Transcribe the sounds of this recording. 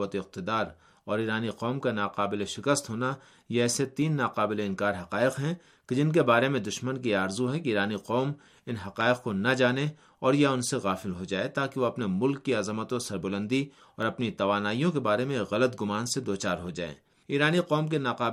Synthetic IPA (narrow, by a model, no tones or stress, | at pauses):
ət̪eɪq̚t̪ɪd̪aːɾ | ɔːɾiːɾaːniqɔːmkanaːqaːbɪleʃɪkəst̪ɦoːna | jeɛːset̪iːnːaːqaːbɪleɪ̃nkaːɾɦɐqaːɪqɦɛ̃ | ked͡ʒɪnkebaːɾemẽd̪ʊʃmənkiaːɾzuɦɛ̃keiːɾaːniqɔːm | ɪnɦɐqaːɪqkonɐd͡ʒaːne | ɔːɾjaʊnseɣaːfɪlɦod͡ʒaːet̪aːkeʋoɐpnemʊlkːiɐzmət̪õsɐɾbʊlə̃nd̪i | ɔːɾɐpnit̪ɐʋaːnaːijõkebaːɾemẽkɣɐlət̪̚ɡʊmaːnsed̪oːt͡ʃaːɾɦod͡ʒa̰ːḛː | iːɾaːniqɔːmk̬enaːqaː